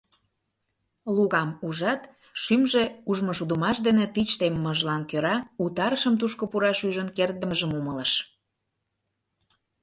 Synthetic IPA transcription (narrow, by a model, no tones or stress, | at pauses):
luɣɑmuʒɑt̪ | ʃymʒeuʒmoʃud̪əmɑʃd̪enet̪it͡ɕt̪emːəʒlɑnkøɾɑut̪ɑɾəʃəmt̪̬uʃkopuɾɑʃyʒənkerd̪əməʒəmumələʃ